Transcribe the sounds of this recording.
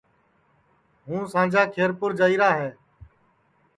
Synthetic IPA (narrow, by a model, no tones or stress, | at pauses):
ɦũːsãːd͡ʒaːkʰeːɾpʊɾd͡ʒaːiːɾaːɦɛː